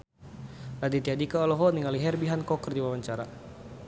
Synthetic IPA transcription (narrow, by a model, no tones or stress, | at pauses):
lad̪it̪iadikaɔlɔɦɔniŋaliɦɛrbiɦankɔkərdiwawaɲt͡ʃaɾa